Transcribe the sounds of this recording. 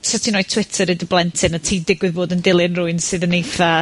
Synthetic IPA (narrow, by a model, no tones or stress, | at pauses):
sɛtʰinɔːɨtʰw̥ɪtʰəɾɨdəblˠɛntʰɨnatʰiːdɪɡwɪðboːdəndɪlˠɪnrʊɨnsɨðənejθa